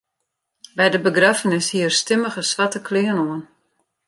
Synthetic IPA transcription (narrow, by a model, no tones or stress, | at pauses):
bɛjdəbəɡrafənɪshiərstɪməɣəsʋatəkʰlɪənoən